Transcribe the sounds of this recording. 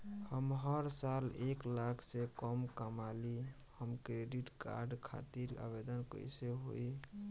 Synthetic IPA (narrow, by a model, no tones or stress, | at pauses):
həmɦəɾsaleklakʰsekəmkəmali | həmkɾeɖiʈka̰ɾɖkʰa̰t̪iɾa̰bed̪ənkə̰jseɦo̰i